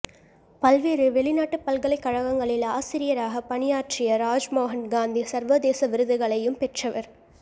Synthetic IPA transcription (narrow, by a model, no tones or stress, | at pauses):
pɐlʋeːɾɯʋɛɭɪnaːʈːɯpːɐlkɐɭɐɪkːɐɻɐɣɐŋɡɐɭɪlaːsɪɾɪjɐɾaːɣɐpɐɳɪjaːʈːɪjɐɾaːd͡ʒmoːɣɐnɡaːnd̪isɐɾʋɐd̪eːsɐʋɪɾɯðɯɣɐɭɐjɯmpɛʈrɐʋɐɾ